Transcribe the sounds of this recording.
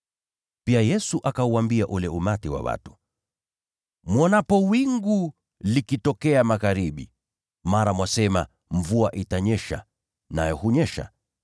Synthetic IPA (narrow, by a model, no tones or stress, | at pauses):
piajɛsuʔakauambiaʔulɛumatiwa̰wa̰tu̥ | mwɔnapɔwiŋɡu | likitɔkɛamaɣaɾiɓḭ | maɾamwasɛma | ɱvuaʔitaɲɛʃa̰ | najɔhuɲɛʃa̰